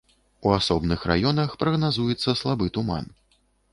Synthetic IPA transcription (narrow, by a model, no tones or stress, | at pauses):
uasɔbnɨxra̰jɔnɐxpɾɐɣnazujɛt̪sːɐslˠabɨt̪uma̰n